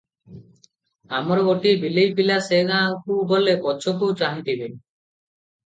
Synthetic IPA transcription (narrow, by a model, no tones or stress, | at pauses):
amɔɾɔɡoʈibilejpilaseɡãkubolepɔt͡ʃʰɔk̬uwt͡ʃaɦɳʈibe